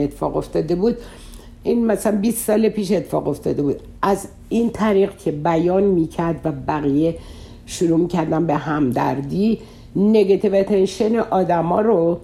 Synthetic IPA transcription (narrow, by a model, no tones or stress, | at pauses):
et̪ʰːe̥fɒ̰ːɣo̞ft̪ɒːd̪e̞buːd̪ | inmæsælænbiːsːɒːlepiːʃ̬et̪ʰːe̥fɒ̰ːɣo̞ft̪ʰɒ̰ːd̪e̞buːd̪ | ʔæz | iːnt̪ʰæɾiːɣcʰe̞bæjɒːnmiːcʰæɾd̪væbæɣije | ʃuɾuːmicʰæɾd̪æmbe̞ɦæmd̪æ̰ɾd̪i | neɡet̪ʰivet̪ʰenʃeneʔɒːd̪æmɒːɾo